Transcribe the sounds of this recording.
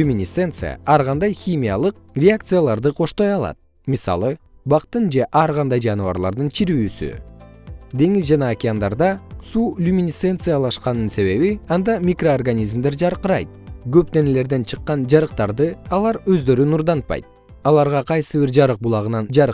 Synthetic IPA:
umʲinʲisent̪sɨ̰ja̰ɑɾʁɑnd̪ɑjxʲimʲija̰lˠɯq̚ | rʲeak̚t̪sɨjalˠɑɾd̪ɯqʰo̞ʃt̪o̞jɑlˠɑ̰t̪̚ | misɑ̰lˠɯ | bɑqt̪ɯnd͡ʒe̞ʔɑɾʁɑnd̪ɑjd͡ʒɑnɨvɑ̰ɾlˠɑ̰ɾd̪ɯnt͡ʃʰiɾyːsy̰ | d̪e̞ŋizd͡ʒɑnɑːkʲɪand̪ɑɾd̪ɑsuːlʲumʲinʲise̞nt̪sɨjalˠɑʃqɑnɯnse̞βe̞βiɑnd̪ɑmʲikro̞arɡanʲizmd̪e̞ɾd͡ʒɑɾqəɾɑjt̪̚ɡø̞p̚t̪e̞nele̞ɾd̪e̞nt͡ʃʰɯqːɑnd͡ʒɑɾɯqt̪ɑɾd̪ɯɑlˠɑɾø̞zd̪ø̞ɾynuɾd̪ɑnt̪̚pɑ̰jt̪̚ | ɑlˠɑɾʁɑqʰɑjsɨβiɾd͡ʒɑɾɯq̚bulˠɑʁɯnɑnd͡ʒɑɾ

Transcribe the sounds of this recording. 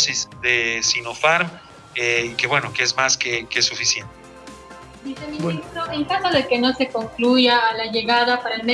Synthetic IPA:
sizd̪esino̞faɾm | eikeβweno̞keezmaskekesufisjent̪e | bise̞mĩnist̪ɾoʔeŋkasaðe̞ke̞no̞se̞ko̞ŋkluʝaːlaʝe̞ɣaðapaɾaelme

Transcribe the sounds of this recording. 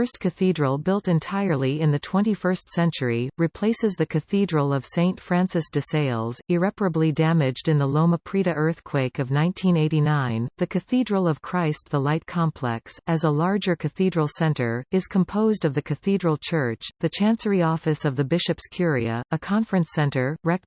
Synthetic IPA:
ə˞st̚kʰɨθidɹl̩ˠbɪlˠtɨ̃ntʰaɪə˞lˠiɨ̃nðɨtʰw̥ɛ̃ñifɜ˞stsɛ̃nt͡ʃə˞iɹɨpʰl̥eɪsɨzðɨkʰɨθidɹl̩ˠʌv̥sẽɪ̃ntfɹæ̃nsɨsd̥ɨseɪlˠzɪɹɛpə˞ɨblidæmɪd͡ʒdɨ̃nðəlõʊməpʰɹ̥iɾɨʔɜ˞θkʰw̥eɪkʌvnãɪ̃ntʰĩneɪɾinãɪ̃nðɨkʰɨθidɹl̩ˠʌv̥kʰɹ̥aɪst̪̚ðəlaɪt̚kʰɑ̃mpʰl̥ɛ̰ksɨzəlɑɹd͡ʒə˞kʰɨθidɹl̩ˠsɛ̃ntə˞ɨz̥kʰə̃mpʰoʊzdʌvðɨkʰɨθidɹl̩ˠt͡ʃʰɜ˞t͡ʃðɨt͡ʃʰæ̃nsə˞iɔfɨsʌvðɨbɪʃɨpskʰj̥ʊɹiɨ̰ɨkʰɑ̃ɱfɹɨ̃nsɛ̃ntə˞ɹɛk̚

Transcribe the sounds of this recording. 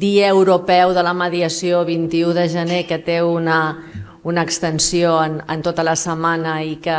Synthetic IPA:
d̪iəːwɾupɛwðələməðiəsioβint̪iuðəʒənekət̪eunə | unəːkst̪ənsioənənt̪ot̪ələsəmanəikə

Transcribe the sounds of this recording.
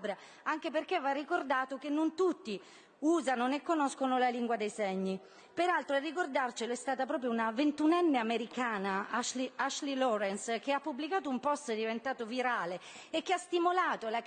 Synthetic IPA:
bɾa | aŋk̟eperkevːarːikord̪aːt̪ok̟enːont̪ut̪ːi | uːzanonekːonɔskonolaliŋɡwad̪ejseɲːi | peɾalt̪ɾoarːikord̪art͡ʃeloɛst̪aːt̪apɾɔːp̬ɾjounavent̪unɛnːeameɾikaːnaaʃliaʃlilɔɾɛnsk̟eapːubːlikaːt̪̬oumpɔst̪d̪ivent̪aːt̪oviɾaːle | ekːeast̪imolaːt̪ola

